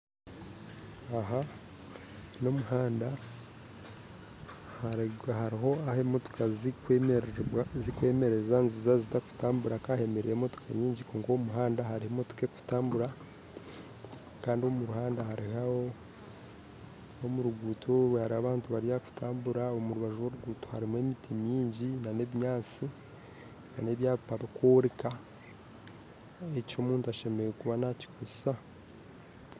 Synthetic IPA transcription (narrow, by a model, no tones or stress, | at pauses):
aɦa | no̞muhaːnda | hahaɾiɦo̞ahemotu̥kazk | zikwe̞ːme̞ɾe̞zanzizazitaku̥taːmbuɾakahe̞meɾijemotu̥kʰa̰ɲiːɲɟikoːŋkomuɦaːndaɦaɾihemotu̥ke̞ku̥taːmbuɾa | kaːndio̞muɾuhaːndahaɾihaho̞ | omuɾuɡuːtʰoɾwehaɾiaβaːntuβaɾijaku̥tʰaːmbuɾaomuɾuβaʒuwoɾuɡuːtoha̰ɾime̞mitʰimjiːɲɟinane̞βiɲaːt͡si | nane̞βjaːβpaβikʰoːɾika | eco̞ːmuːntuaʃe̞meɾekuβanaci̥kʰozesa